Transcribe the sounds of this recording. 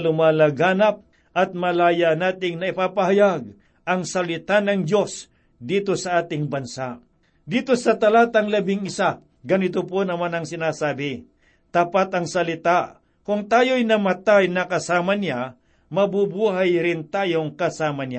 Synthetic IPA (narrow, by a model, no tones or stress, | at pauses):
lʊmaːlɐɡaːnɐp̚ | ʔɐt̪̚mɐlaːjanaːt̪ɪŋnɐɪpaːpɐɦajaɡ̚ | ʔɐŋsɐlɪt̪anɐŋd͡ʒo̞s | d̪iːt̪o̞sɐaːt̪ɪŋbɐnsa | d̪iːt̪o̞sɐt̪ɐlaːt̪ɐŋlɐbɪŋɪsa | ɡɐnɪt̪̬oponɐmanɐŋsɪnaːsaːbɪ | t̪apat̪ɐŋsɐlɪt̪a | kʊŋt̪aːjojnɐmɐt̪ajnɐkɐsaːmɐnɪa | mɐbubuːɦajɾɪnt̪aːjoŋkɐsaːmɐna